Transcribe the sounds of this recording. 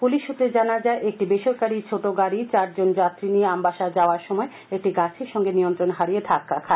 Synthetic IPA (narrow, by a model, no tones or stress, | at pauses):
puliʃːut̪ːɾed͡ʑanad͡ʑaeʔek̚ʈibeʃoɾkaɾiɾt͡ɕʰoʈoɡaɾit͡ɕaɾd͡ʑond͡ʑat̪ːɾinijeambaʃad͡ʑaoaɾʃɔmɔe | ek̚ʈiɡat͡ɕʰeɾʃɔŋɡenijont̪ɾonɦaɾijed̪ʱakːakʰa